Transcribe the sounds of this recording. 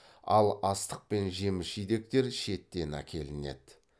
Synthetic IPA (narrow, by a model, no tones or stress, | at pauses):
ɑ̰lˠɑst̪əq̚pe̞nʒe̞mɪʃʒijd̪e̞k̚t̪e̞ɾʃe̞t̪ːe̞næ̰kʲʰe̞lɪne̞̰d̪̥